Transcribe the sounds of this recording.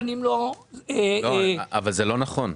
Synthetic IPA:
nimloeoavalzelo̞naχo̞n

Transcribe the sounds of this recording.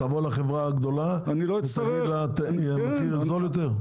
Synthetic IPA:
avolaχevʁaaɡd̪o̞la | aniloitav | lat̪eia | kizoljot̪eʁ

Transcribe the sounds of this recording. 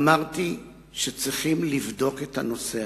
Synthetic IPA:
maʁti | ʃet͡sʁiχimlivdo̞ke̞thano̞se

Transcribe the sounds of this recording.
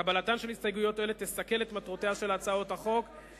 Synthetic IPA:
abalatanʃe̞lhist̪ajɡujo̞toelet̪ːesake̞le̞t̪matʁote̞aʃe̞lat͡saotaχo̞k

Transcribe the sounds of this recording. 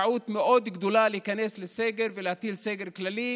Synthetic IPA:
ʕuːt̪mɪʔoːd̪ɡd̪ulalɪkaneːslɪseːɡɪɾvɪlɪt̪iːlseːɡɪɾklaliː

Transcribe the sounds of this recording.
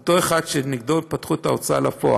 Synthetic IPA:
t̪oe̞χadʃeniɡ̚dot̚pat̪χuet̪aot͡sa̰lafo̰a̰

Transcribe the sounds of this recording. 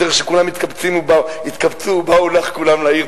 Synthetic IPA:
eʁeχʃekulamit̪kabt͡simubait̪kabt͡suːbaulaχkulamlaiʁ

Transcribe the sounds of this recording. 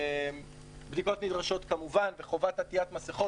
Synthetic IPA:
m | bdiko̞t̪nidʁaʃo̞tkamuvanveχo̞vat̪at̪iatmaseχo̞

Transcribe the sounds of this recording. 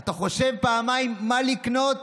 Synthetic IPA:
at̪aχo̞ʃe̞vpaːmajimːalikno̞t̪

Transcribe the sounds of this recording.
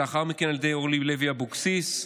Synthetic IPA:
aχaʁmikenaled̪ejoʁlileviabuksis

